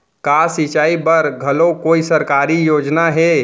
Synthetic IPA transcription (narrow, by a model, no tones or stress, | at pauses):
kaːsit͡ʃaːibɐɾɡʱɐlõkoːisɐɾkaːɾijoːd͡ʒnaɦɛː